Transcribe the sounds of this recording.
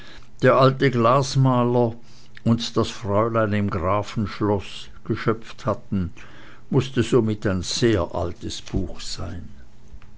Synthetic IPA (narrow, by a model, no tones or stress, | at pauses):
d̥eːɐʔaltəɡlaːsmaːlɐ | ʔʊntd̥asfʁ̥ɔʏlaɪnɪmɡʁaːfn̩ʃlɔs | ɡ̥əʃœpp͡fthatn̩ | mʊstəzoːmɪtaɪnz̥eːɐʔa̰ltəsb̥uːxz̥aɪn